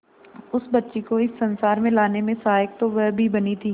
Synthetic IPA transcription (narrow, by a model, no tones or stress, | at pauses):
ʊsbɐtːʃekoɪsːɐ̃nsaːɾmẽlaːnemẽsaːɪk̚t̪oʋɛbʱibɐnit̪ʰiː